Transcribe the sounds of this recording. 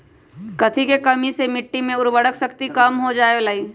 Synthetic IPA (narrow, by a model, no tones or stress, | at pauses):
kɐt̪ʰikekɐmisemɪʈːimẽʊɾʋəɽəksɐkt̪ikɐmɦod͡ʒaːelaiː